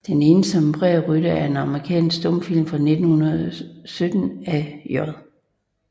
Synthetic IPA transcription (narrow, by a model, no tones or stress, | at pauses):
d̥ene̝ːnəsɒ̽mb̥ʁɛʁyɾ̥ɐæɐe̝nɑ̈məʁikʰɛ̰ːnsɡ̥d̥ɔ̽m̰fil̰mfʁɑne̝d̥n̩hunɐðˠsød̥n̩æjɔɐðˠ